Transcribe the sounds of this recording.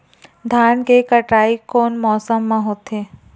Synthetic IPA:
d̪ʱaːnkekəʈɾaːikoːnmɔːsəmːãɦoːt̪eː

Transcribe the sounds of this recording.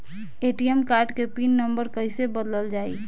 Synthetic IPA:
eʈiemkaɾɖkepinːəmbəɾkəɪsebəd̪ləld͡ʒaːḭ

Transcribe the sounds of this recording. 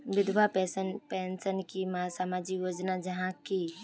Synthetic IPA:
ʋɪd̪ʱʋapɛːsənpɛ̃ːnsənkimasaːmaːd͡ʒijoːd͡ʒnad͡ʒɐɦãki

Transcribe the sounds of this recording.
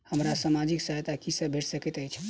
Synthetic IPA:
həmɾasamad͡ʒiksəɦt̪akisəbʱeʈʰsəkɛt̪əjt͡ʃʰ

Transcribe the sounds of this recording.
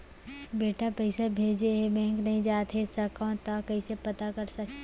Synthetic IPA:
beːʈapɛɪsabʱeːd͡ʒeɦebɛ̃ːŋknɐɦĩd͡ʒaːt̪ɦesɐkãt̪akɐisepɐt̪akɐɾsɐ

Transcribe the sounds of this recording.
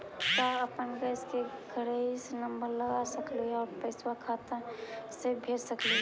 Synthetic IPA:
t̪aəpənɡəskeɡʱəɾəisnəmbəɾləɡasəkliɔːɾpəɪswakʰat̪ãsebʱeɾsəkli

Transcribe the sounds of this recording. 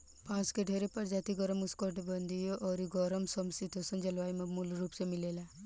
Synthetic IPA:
pãːt͡ʃkeɖʱeɾepəɾd͡ʒaːt̪iɡɔɾəmuskɔʈbənd̪ʱijoʔɔɾiɡɔɾəmsɔmsit̪osɔnd͡ʒɐlʋaːimemulɾuːpsemilela

